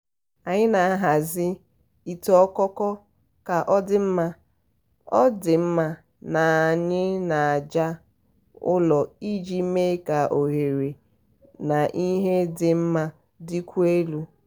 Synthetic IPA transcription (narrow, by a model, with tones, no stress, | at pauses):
a˨ɲɪ˦na˨a˦ɦa˨zɪ˦ | i˨tɔ˦kɔ˦kɔ˦ | ka˨ʔɔ˦dɪ˨m̩˦ma˦ | ɔ˦dɪ˨m̩˦ma˦ | na˨a˨ɲɪ˦na˨a˨d͡ʒa˦ | ʊ̰˦lɔ˨i˦d͡ʒi˦me˦ka˨ʔo˨ɦe˨ɾe˨ | na˨ʔi˦ɦe˦dɪ˨m̩˦ma˦ | dɪ˦kʷu˦e˦lu˦